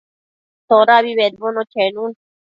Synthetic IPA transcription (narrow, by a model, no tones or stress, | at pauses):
t̪ʰoːɾaːbiːbeːd̪̚boːnoːt͡ʃʰeːnuːn